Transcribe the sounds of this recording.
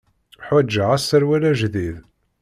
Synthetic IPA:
ħæd͡ʒːəʁæsːəɾwælæʒðið

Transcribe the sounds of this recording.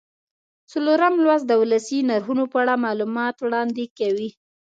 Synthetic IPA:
t͡saloɾamlwazd̪əwlasinaɾɦunopəaɽamɑlumɑt̪wɽɑnd̪ekawi

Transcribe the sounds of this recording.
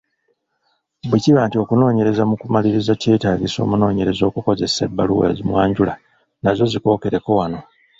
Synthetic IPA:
bweciβantio̞kuno̞ːɲe̞ɾe̞zamukumaliɾizace̞ːtaːɟiso̞̰ːmuno̞ːɲe̞ɾe̞zo̞ːkuko̞ze̞se̞̰bːaluwḛzimwaːɲɟula | nazo̞ziko̞ːke̞ɾe̞ko̞wano̞

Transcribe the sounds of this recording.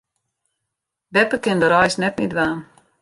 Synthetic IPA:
dɛpəkɪndəɾɔjsnɛtmidʋaːn

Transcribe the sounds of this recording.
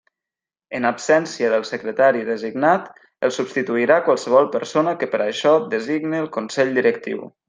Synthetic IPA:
ənapsɛnsiəðəlˠsəkɾət̪aɾiðəziɡnat̪ | əlˠsubst̪it̪uiɾakwalˠsəβ̞ɔlˠpəɾsonəkəpəɾəʃɔd̪əziɡniəlˠkunsɛʎd̪iɾək̚t̪ḭw

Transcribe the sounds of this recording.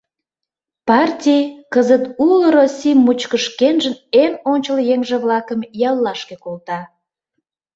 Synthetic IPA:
pɑrtʲijkəzət̪uləɾosʲimːut͡ɕkəʃkenʒənenonʲt͡ɕəljeŋʒĕβlɑkəmjɑlːɑʃkekolt̪ɑ

